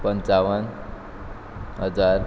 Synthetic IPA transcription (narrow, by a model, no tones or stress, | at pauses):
pʌnt͡sawʌn | ɦʌd͡zar